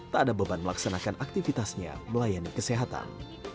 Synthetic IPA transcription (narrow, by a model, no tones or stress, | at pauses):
t̪adabəbanməlaksanakanʔak̚t̪ifit̪asɲa̰məlajanikəseɦat̪a̰n